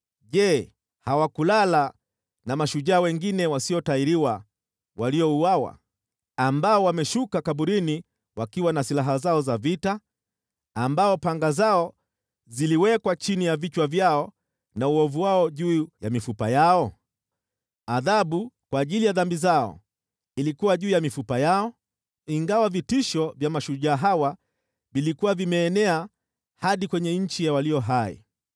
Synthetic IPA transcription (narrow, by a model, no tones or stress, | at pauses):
ʄɛ | hawakulala | namaʃuʄaːwɛŋɡinɛwasiɔtaiɾiwa | waliɔuawa̰ | ambaɔwamɛʃukakaɓuɾini | wakiwanasilaɦazaɔzavita | ambaɔpaŋɡazaɔ | ziliwɛkwat͡ʃinijavit͡ʃwavjaɔ | nauɔvuwaɔʄuːjamifupa̰jaɔ | aðaɓukwaːʄilijaðambizaɔ̰ | ilikuwaʄuːjamifupajaɔ | iŋɡawavitiʃɔvjamaʃuʄaːɦawa | vilikuwavimɛːnɛa | haɗikwɛɲɛɲ̩t͡ʃijawaliɔɦaḭ